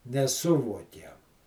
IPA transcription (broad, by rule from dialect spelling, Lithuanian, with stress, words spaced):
nʲɛˈsʊʋuɔkʲɛm